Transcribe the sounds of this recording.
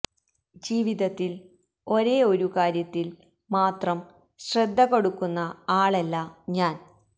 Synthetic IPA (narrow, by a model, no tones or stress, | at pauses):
d͡ʑiːʋiðɐt̪ːil | o̞ɾe̞ːo̞ɾukaːɾjɐt̪ːil | maːt̪rɐm | ɕred̪ʱːɐko̞ɽukːunːɐaːɭelːɐɲaːn